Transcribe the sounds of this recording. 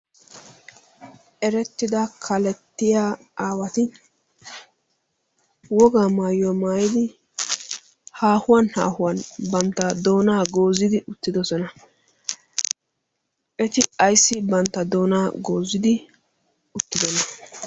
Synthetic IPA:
ʔɛɾɛt̪ːɪd̪ɐkʰɐlɛt̪ːɪjaː | aːwɐt̪ɪ | wɔɡaːmaːjʊwamaːjɪd̪ɪ | haːhʊwɐnha̰ːhʊwɐnbɐnt̪ːɐd̪o̞ːnaːɡo̞ːzɪd̪ɪʔʊt̪ːɪd̪ɔsɔnɐ | ʔɛt̪ɪɐjsːɪbɐnt̪ːɐd̪o̞ːnaːɡoːzɪd̪ɪ | ʊt̪ːɪd̪ɔnɐ

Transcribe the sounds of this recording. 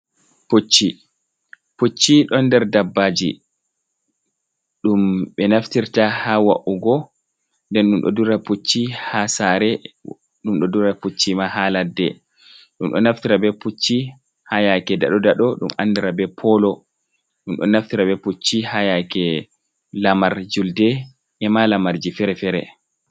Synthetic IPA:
pot͡ʃːi | put͡ʃːiɗɔnːdɛɾdabːaːd͡ʒi | ɗumɓɛnaftiɾtahawa̰ʔuɡɔ | ndɛnɗumɗɔ̰duɾaput͡ʃːihasaːɾɛ | ɗumɗɔduɾaput͡ʃːimahaːladːɛ | ɗumɗɔnaftiɾabɛput͡ʃːi | hajakɛda̰ɗɔdaɗɔɗuma̰nːdiɾabɛpʰɔlɔ | ɗumɗɔ̰naftiɾabɛput͡ʃːihajakɛ | lamaɾd͡ʒuldɛ | ʔɛmalamaɾd͡ʒifɛɾɛfɛɾɛ

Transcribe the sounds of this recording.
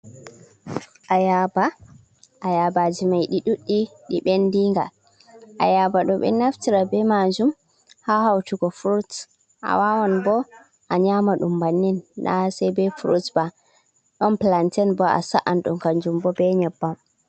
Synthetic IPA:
ʔajaba | ʔajabad͡ʒimajɗiɗuɗːiɗiɓɛndiŋɡa | ʔajabaɗɔɓɛ̰naftiɾabɛmad͡ʒum | hahawtuɡɔfɾut | ʔa̰wawanbɔ | ʔaɲamaɗumbanːinːa̰sɛjbɛfuɾusba | ɗɔnplantɛnbɔa̰saʔanɗṵmkand͡ʒumbɔbɛɲɛbːam

